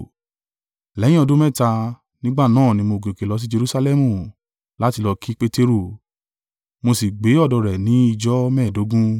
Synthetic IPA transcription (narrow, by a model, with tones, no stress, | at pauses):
lɛ̃˨˦ĩ˦ɔ˧do˦mɛ̃˦˨ta˧ | nĩ˦ɡ͡ba˦˨nãː˦˨nĩ˧mo˧˨ɡe˨ke˨lɔ˨˦s̬i˦d͡ʒe˧ɾu˦sa˧lɛ˦mũ˨ | la˦ti˧lɔ˧kʰi˦k͡pe˦te˦ɾo˦˨ | mo˧si˨ɡ͡be˨˦ɔ˦˨dɔ˧ɾɛ˨nĩ˨˦i˧d͡ʒɔ˦mɛː˦˨do˨˦ɡũ˦